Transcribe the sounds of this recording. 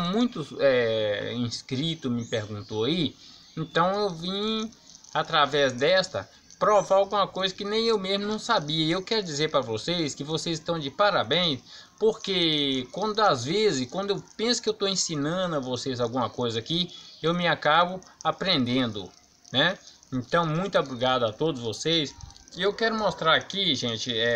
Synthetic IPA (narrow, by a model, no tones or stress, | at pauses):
mũj̃t̪ʊɛĩskɾit̪ʊmɪpeɾɡũt̪oai | ẽt̪ɐ̃w̃ewvĩ | at̪ɾavɛzd̪ɛst̪ɐ̰ | pɾɔvawɡũmɐkojzɐkɪnẽj̃ewmezmʊnɐ̃w̃sabiɐiewkɛɾʊd͡ʒizeɾpɾɐvoseskɪvosejzɪʃt̪ɐ̃w̃d͡ʒɪpaɾabẽj̃s | poɾkekwɐ̃nd̪ʊazvezɪskwɐ̃nd̪ʊewpẽsʊ̥kɪewt̪oẽsĩnɐ̃d̪ʊɐvosezawɡũmɐkojzɐakiewmɪakabʊapɾẽnd̪ẽnd̪ʊ̰ | nɛ | ẽnt̪ɐ̃w̃mũj̃t̪ʊabɾiɡad̪ʊat̪od̪ʊzvosejsɪewkɛɾʊmɔst̪ɾaɾakiʒẽt͡ʃɪɛ